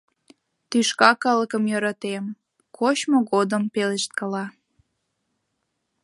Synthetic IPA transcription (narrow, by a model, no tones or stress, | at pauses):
t̪yʃkɑkɑləkəmjøɾɑt̪em | kʰot͡ɕmoɣod̪əmpeleʃt̪̚kəlɑ